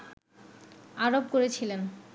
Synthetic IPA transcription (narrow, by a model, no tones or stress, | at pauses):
aɾob̚koɾet͡ɕʰilen